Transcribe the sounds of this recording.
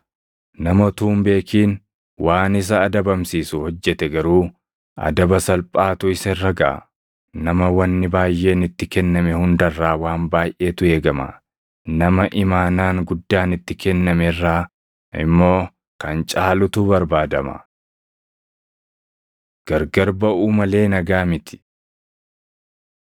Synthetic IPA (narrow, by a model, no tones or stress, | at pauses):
nɐmɔt̪uːmbe̞ːkiːn | wʔaːnɪs̬ɐːd̪ɐbɐmsiːsʊhɔd͡ʒːɛt̪ɛɡɐɾuː | ɐ̰d̪ɐbɐsɐlpʼaːt̪ʊɪsɐrːɐɡɐʔɐ̰ | nɐmɐwɐnːɪbaːjʔːe̞ːnɪt̪ːɪkɛnːɐmɛhʊnd̪ɐrːaːwaːmbaːjʔe̞ːt̪ʊe̞ːɡɐmɐ̰ | nɐmɐʔɪmaːnaːŋɡʊd̪ːaːnɪt̪ːɪkɛnːɐmɛrːaː | ɪ̰mːo̞ː | kɐnt͡ʃʼaːlʊt̪ʊbɐɾbaːd̪ɐmɐ̰ | ɡ̥ɐɾɡɐɾbɐuːmɐle̞ːnɐɡaːmɪt̪ɪ̥